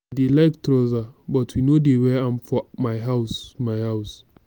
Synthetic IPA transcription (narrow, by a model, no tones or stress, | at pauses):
delajktʰɾozabɔtʰwinodewɛãmfɔmajɦaʊsmajhaʊs